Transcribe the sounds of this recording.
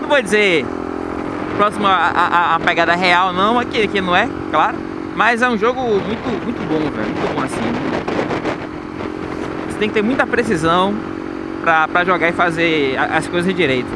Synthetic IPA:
nɐ̃vod͡ʒize | pɾɔsimʊʔa̰ʔaːpɛɡad̪ɐɦɛawnɐ̃w̃akɪkɪnɐ̃w̃ɛ | klaɾʊ | mɐzɛũʒoɡʊmũj̃t̪ʊmũj̃t̪ʊbõvɛ̰ɾmũj̃t̪ʊbõasĩ | se̥t̪ẽkɪt̪eɾmũj̃t̪ɐpɾes̬izɐ̃w̃ | pɾɐpɾɐʒɔɡaɪfazeaʔɐskojzɐzd͡ʒɪd͡ʒiɾejt̪ʊ

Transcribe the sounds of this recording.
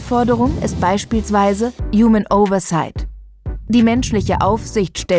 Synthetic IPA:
fɔɐdəʁ̞ʊŋɪ̰st̚b̥aɪʃpiːlsv̥aɪzəjuːmənʔoʊvɐsaɪt | d̥iːmɛnʃlɪçəʔaʊfz̥ɪçtʃtɛ

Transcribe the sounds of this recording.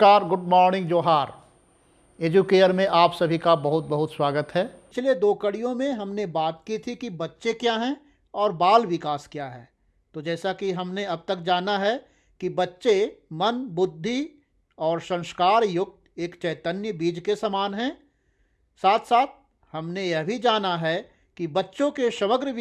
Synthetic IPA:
aːɾɡʊɖmɔːɾnɪ̃ŋɡd͡ʒoːɦaːɾ | eːd͡ʒuːkeːʈəɾmẽʔaːpsɐbʱikabɐɦʊt̪̚bɐɦʊt̪swaːɡət̪ɦɛːpɪt͡ʃʰled̪oːkɐɽijõmẽɦɐmnebaːt̪̚kit̪ʰikibɐtːʃekjaːɦɛ̃ | ɔːɾbaːlʋɪkaːskjaːɦɛː | t̪od͡ʒɛːsakiɦɐmneɐb̚t̪ɐk̚d͡ʒaːnaɦɛ | kibɐtːʃemɐnbʊd̪ʱːi | ɔːɾsɐ̃ŋ̃ʃkaːɾjʊɡ̪̚ | eːkt͡ʃɛːt̪ənjəbiːd͡ʒkesɐmaːnɦɛ̃ː | saːt̪ʰsaːt̪̚ʰ | hɐmnejɛɦbʱid͡ʒaːnaɦɛ | kibɐtːʃõkeʃɐməɡɾəʋ

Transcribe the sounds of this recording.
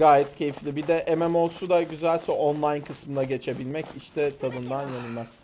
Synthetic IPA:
ɡaːjɛt̪cʰe̞jiflʲibid̪ɛʔemɛmo̞lˠsud̪aɟyzælʲsɛonlˠajnkʰɯsmɯnaɟe̞t͡ʃʰe̞bilʲmɛciʃt̪ʰɛt̪ʰad̪ɯnd̪anjenɯlʲmæz̥

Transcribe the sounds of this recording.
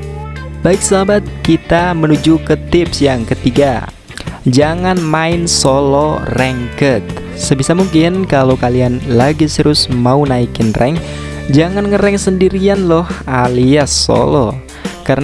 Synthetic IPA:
baɪk̚səɦabat̪̚kit̪amənud͡ʒukət̪ɪpsjaŋkət̪iɡa | d͡ʒaŋanmaɪnsolɔrɛŋkət̪̚ | səbisamuŋkɪnkalowkalianlaɡisəɾʊsmaunaikɪnrʔɛ̰ŋ | d͡ʒaŋanŋəɾɛŋsəndiɾianlɔhaliaso̰lɔ | kar

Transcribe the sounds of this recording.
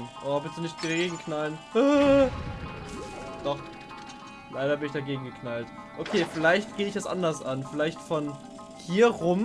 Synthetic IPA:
nʔohabɛsz̥onɪçt̚ɡ̥əɡeːɡŋkʰnalnh | d̥ɔχ | laɪɾɐbɪnɪçd̥aɡeːɡŋ̩ɡəkʰnalt | ʔokʰeːfɪlaɪçtɡ̥eːəɪç̥asʔa̰ndɐsʔanfɪlaɪçtfɔn | hiːɐʁʊm

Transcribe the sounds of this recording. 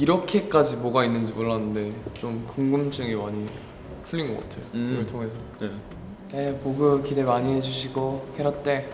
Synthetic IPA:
iɾʌkʰe̞k͈ad͡ʑimoɡainːɯnd͡ʑimoɭːanːɯnde̞t͡ɕomkuŋɡɯmd͡ʑ͈ɯŋemaɲi | pʰuɭːinɡʌk͈a̰tʰejoɯɭtʰoŋe̞s̬ʰʌe | nepoɡɯkide̞maɲiɦe̞d͡ʑuɕʰiɡoheɾʌt̚t͈e̞

